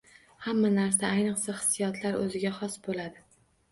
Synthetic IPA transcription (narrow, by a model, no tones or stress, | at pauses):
hamːanaɾsaajnɨqsaχɨ̥sːijɒt̪ʰlaɾɵ̰zɪɡʲaχɒsbolad̪ɪ